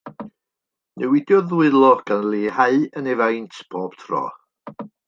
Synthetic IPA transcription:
nɛwɪdjɔðwɨlˠɔɡ̥anlˠiːhaɨənɛvajntʰb̥oːb̥tʰrɔ̰

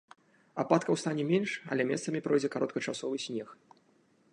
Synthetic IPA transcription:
apat̪kɐwst̪anʲɛmʲenʂɐ̰lʲɛmʲɛst̪sɐmʲipɾɔjd͡zʲɛkaɾɔt̪̚kɐt͡ʂasɔvɨsʲnʲɛx

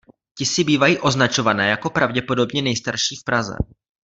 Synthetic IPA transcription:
cɪsɪbiːvajiːʔo̞znat͡ʃo̞vanɛːjako̞pɾavɟɛpo̞do̞bɲɛnɛjst̪aɾʃiːfpɾazɛ̰

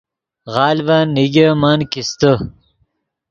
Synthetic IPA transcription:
ʁɑːlvaniɡemankist̪ə

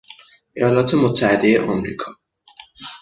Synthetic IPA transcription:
ʔejɒːlɒːt̪ʰemot̪ʰːæhed̪ejeʔɒmɾḭːkʰɒː

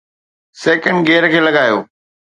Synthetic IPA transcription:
sɛːkə̃ɳɖɡeːɾkʰeːlɐɠaːjo̰ː

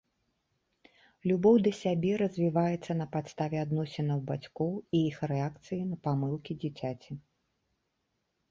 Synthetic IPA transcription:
lʲubɔwd̪ɐsʲabʲɛɾɐzʲvʲivajɛt̪sːɐnɐpat̪st̪avʲɛad̪nɔsʲɛnɐwbat͡sʲkɔwiixrɛakt̪sɨjinɐpamɨlˠkʲid͡zʲit͡sʲat͡sʲi

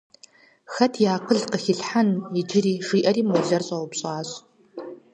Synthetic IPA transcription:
xɐtʰjaːqəɮqəxɪɬħanid͡ʒɪriːʐiːʔɐɾiːmoɮɐrɕʼɐwʊpɕʼaːɕʼ

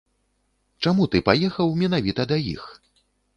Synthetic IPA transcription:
t͡ʂamut̪ɨpajɛxɐwmʲɛn̪avʲit̪ɐd̪ɐjḭx

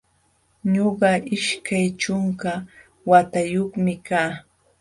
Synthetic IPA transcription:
ɲoɢɑʔɪʃkajt͡ʃoŋka | wat̪ajoχmɪkaː

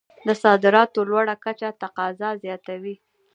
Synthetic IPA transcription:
d̪əsɑd̪ɪɾɑt̪olwaɽakat͡ʃat̪aqɑzɑzjɑt̪awi

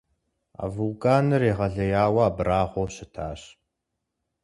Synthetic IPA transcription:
a̰ːvulkʼaːnɨreːʁɐɮɐjaːwɐːbraːʁʷoɕɪtʰaːɕ

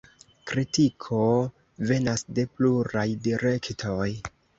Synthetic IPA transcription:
kɾitikʰo̞ | ve̞nasde̞pluɾajdiɾe̞ktʰo̞j

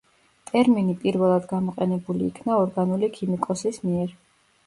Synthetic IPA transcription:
t̪ʼɛɾminipʼiɾvɛlˠad̪ɡamɔqʼɛnɛbuliːkʰnaɔɾɡanulikʰimikʼɔsismiɛɾ

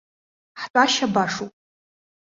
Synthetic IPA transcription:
ħtʷʼaʃabaʂupʼ

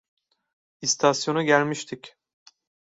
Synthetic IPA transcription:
ist̪ʰasjo̞nuɟælʲmiʃt̪ʰic

